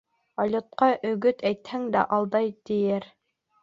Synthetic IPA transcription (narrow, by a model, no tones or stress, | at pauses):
ɑlʲŏt̪̚qɑʔɵ̆ɡɵt̪ʰæjt̪hæŋd̪æʔɑlˠd̪ɑjt̪ɘ̆jɘɾ